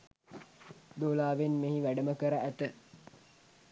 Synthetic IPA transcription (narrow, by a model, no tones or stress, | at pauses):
d̪oːlaːʋenmeɦiʋæɖəməkəɾəæt̪ə